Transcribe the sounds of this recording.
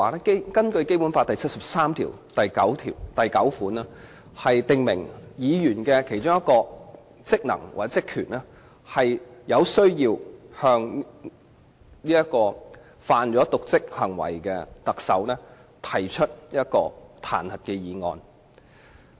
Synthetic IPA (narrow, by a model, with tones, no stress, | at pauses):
lɛ˥ke˥jkɐ˥nkɵ˧ɥke˥jpu˨˥nfaː˧t̪ɐ˨jt͡sʰɐ˥t̚sɐ˨p̚saː˥mt̪ʰḭː˨˩wt̪ɐ˨jkɐ˨˥wt̪ʰḭː˨˩wt̪ɐ˨jkɐ˨˥wfuː˨˥nɛ˥ | hɐ˨jt̪ɪ˨ŋmɪ̰˨˩ŋjiː˨˧jyː˨˩nkɛː˧kʰe˨˩jt͡ʃʊ˥ŋjɐ˥t̚kɔː˧ | t͡sɪ˥k̚nɐ̰˨˩ŋwa̰ː˨˩t͡sɛ˥t͡sɪ˥kʰyː˨˩nɛː˥ | hɐ˨jjɐ˨˧wsɵ˥ɥjiː˧whœː˧ŋ | niː˥jɐ˥t̚kɔː˧ | faː˧nt͡ʃɔː˨˥t̪ʊ˨k̚t͡sɪ˥k̚hɐ˨˩ŋwɐ̰˨˩jkɛː˧t̪ɐ˨k̚sɐ̰˨˥wnɛː˥ | t̪ʰɐ˨˩jt͡ʃʰɵ˥t̚jɐ˥t̚kɔː˧t̪ʰa̰ː˨˩nhɐ˨˩t̚kɛ˧jiː˨˧ŋɔ̰ː˧n